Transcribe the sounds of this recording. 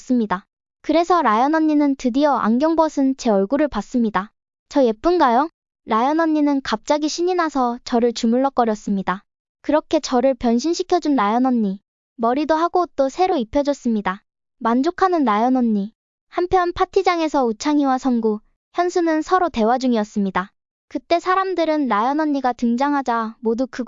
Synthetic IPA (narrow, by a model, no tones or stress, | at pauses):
s͈ɯmɲida | kɯɾe̞sʰʌɾajʌnʌnːinɯntɯdiʌʔa̰ŋɡjʌŋbʌsʰɯnt͡ɕe̞ʌɭɡuɾɯɭpas͈ɯmɲida | t͡ɕʌje̞p͈unɡajʌ | ɾajʌnʌnːinɯnkap̚t͡ɕ͈aɡiɕʰiɲinasʰʌt͡ɕʌɾɯɭt͡ɕumuɭːʌk͈ʌɾjʌs͈ɯmɲida | kɯɾʌkʰe̞t͡ɕʌɾɯɭpjʌnɕʰinɕʰikʰjʌd͡ʑunɾajʌnʌɲːi | mʌɾidoɦaɡot͈osʰe̞ɾoipʰjʌd͡ʑʌs͈ɯmɲida | mand͡ʑokʰanɯnɾajʌnʌɲːi | hampʰjʌnpʰatʰid͡ʑaŋe̞sʰʌut͡ɕʰaŋiwasʰʌnɡu | çjʌnsʰunɯnsʰʌɾote̞wad͡ʑuŋiʌs͈ɯmɲida | kɯt͈e̞sʰaɾamdɯɾɯnɾajʌnʌɲːiɡatɯŋd͡ʑaŋɦad͡ʑamodukɯ